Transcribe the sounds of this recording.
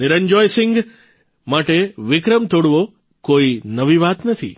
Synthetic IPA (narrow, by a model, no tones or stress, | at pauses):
nɪɾəɲd͡ʒɔjsɪ̃ŋɡ | maʈeʋɪkɾəmt̪oɽʋo | koinəʋiʋat̪nət̪ʰḭ